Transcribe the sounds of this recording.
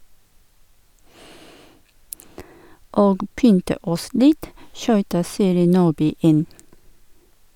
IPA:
ˈoːɡ ˈpʏntə ˈɔs ˈlɪt ˈʃyːtə ˈsiːɾɪ ˈnuːbyː ˈɪn

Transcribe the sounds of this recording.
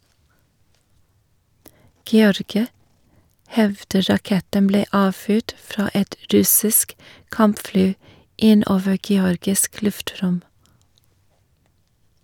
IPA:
ɡɛˈɔɾɡɪɑ ˈhɛʋdə ɾɑˈkɛtəm ˈbleː ˈɑːˌfyːʈ ˈfɾɑː ˈɛt ˈɾʉsɪsk ˈkɑmpˌflyː ˈɪn ˈoːʋə ɡɛˈɔɾɡɪsk ˈlʉfˌtɾʊm

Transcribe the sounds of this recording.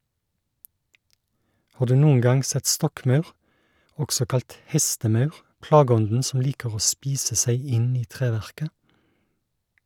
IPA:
ˈhɑː ˈdʉː ˈnuːəŋ ˈɡɑŋ ˈsɛt ˈstɔkˌmɑʉʁ ˈɔksɔ ˈkɑlt ˈhɛstəˌmɑʉʁ ˈplɑːˌɡɔndn̩ ˈsɔm ˈliːkəʁ ˈoː ˈspiːsə ˈsæɪ ˈɪn ˈiː ˈtʁeːˌʋæʁkə

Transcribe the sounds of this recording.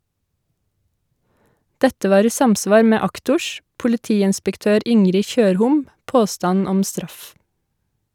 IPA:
ˈdɛtə ˈʋɑːɾ ˈiː ˈsɑmˌsʋɑːɾ ˈmeː ˈɑktʊʃ pʊlɪˈtiːɪnspəkˌtøːɾ ˈɪŋɾɪ ˈçøːɾhʊm ˈpoːstɑn ˈɔm ˈstɾɑf

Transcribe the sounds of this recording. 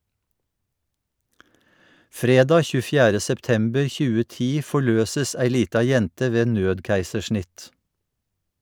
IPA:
ˈfɾeːˌdɑː ˌçʉːəˈfjæːɾə sɛpˈtɛmbəɹ ˈçʉːə ˈtiː ˌfɔˈɭøːsəs ˈæɪ ˈliːtɑ ˈjɛntə ˈʋeː ˈnøːdˌkæɪsəˌʃɳɪt

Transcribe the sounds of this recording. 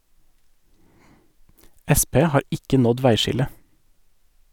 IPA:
ˈɛˌspeː ˈhɑːɾ ˈɪkə ˈnɔd ˈʋæɪˌʃɪlə

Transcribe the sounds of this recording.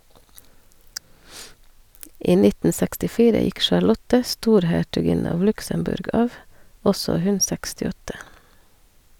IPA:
ˈiː ˈnɪtn̩ sɛkstɪˈfiːɾə ˈjɪk ʃɑɾˈlɔtə ˈstuːɾhæʈʉˌɡɪnə ˈɑʋ ˈlʉksəmˌbʉɾɡ ˈɑːʋ ˈɔsɔ ˈhʉn sɛkstɪˈɔtə

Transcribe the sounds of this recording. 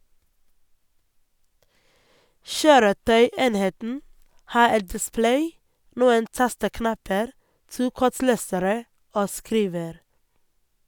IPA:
ˈʃøːɾəˌtœʏˌeːnheːtn̩ ˈhɑː ˈɛt dɪˈsplæɪ ˈnuːən ˈtɑstəˌknɑpəɾ ˈtuː ˈkɔˌʈleːsəɾə ˈoː ˈskɾiːʋəɾ

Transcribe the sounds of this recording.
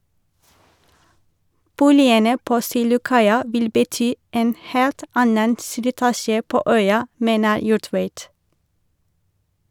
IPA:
ˈbuːlɪənə ˈpoː ˈsiːlʊˌkɑɪɑ ˈʋɪl bəˈtyː ˈʔeːn ˈheːlt ˈɑnən slɪˈtɑːʃə ˈpoː ˈœʏɑ ˈmeːnə ˈjuːˌʈʋeɪt

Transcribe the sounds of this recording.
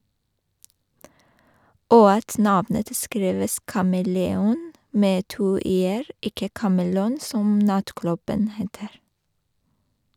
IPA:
ˈoː ˈɑt ˈnɑʋnət ˈskɾiːʋəs kɑməlɛˈuːn ˈmeː ˈtuː ˈeːɹ ˈɪkə kɑməˈluːn ˈsɔm ˈnɑtˌklʉbən ˈheːtəɾ

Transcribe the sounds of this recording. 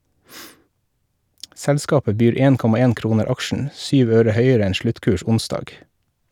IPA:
ˈsɛlˌskɑːpə ˈbyːɾ ˈeːn ˈkɔmɑ ˈeːn ˈkɾuːnəɾ ˈɑkʃɳ̩ ˈsyːʋ ˈøːɾə ˈhœʏəɾə ˈɛn ˈʃɭʉtˌkʉːʃ ˈʊnˌsdɑːɡ

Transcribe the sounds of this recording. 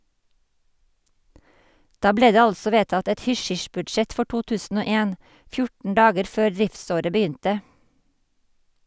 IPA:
ˈdɑː ˈbleː ˈdeː ˈɑlsɔ ˈʋeːtɑt ˈɛt ˈhʏˌʃʏʃbʉdˌʃɛt ˈfɔ ˈʈuː ˈtʉːsn̩ ˈoː ˈeːn ˈfjʊʈn̩ ˈɖɑːɡəɾ ˈføːɾ ˈðɹɪfˌsoːɾə bəˈjʏntə

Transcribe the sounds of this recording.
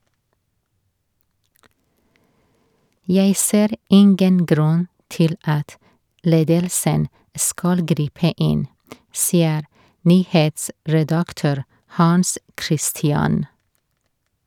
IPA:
ˈjæɪ ˈseːɾ ˈɪŋɡən ˈɡɾʉn ˈtɪl ˈɑt ˈleːdəlsən ˈskɑl ˈɡɾiːpə ˈɪn ˈsiːəɾ ˈnyːheːtsɹɛdɑkˌtøːɾ hɑnˈskɾɪstɪɑn

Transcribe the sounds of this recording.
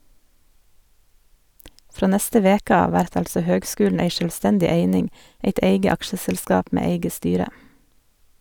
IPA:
ˈfɾoː ˈnɛstə ˈʋeːkə ˈɑːʋ ˈʋæɾt ˈɑlsɔ ˈhøːɡˌskʉːln̩ ˈeɪ ʃœlˈstɛndɪ ˈeɪnɪŋ ˈeɪt ˈeɪɡə ˈɑkʃəsɛlˌskɑːp ˈmeː ˈeɪɡə ˈstyːɾə

